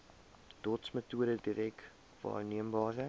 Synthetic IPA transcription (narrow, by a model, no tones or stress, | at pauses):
d̥ɔtsmətuəɾədiɾɛkt | vɑ̰ːniəmbɑːrə